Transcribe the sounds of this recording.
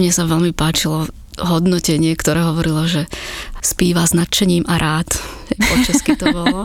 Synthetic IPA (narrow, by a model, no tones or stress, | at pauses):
mɲɛsaʋɛlmipaːt͡ʃilɔ | ɦɔd̪nɔcɛɲɪɛkt̪ɔɾɛːɦɔʋɔɾilɔʒɛspiːʋaznat̪t͡ʃɛɲiːmʔaɾʔaːt̪hɛjpɔt͡ʃaskit̪ɔbɔlɔ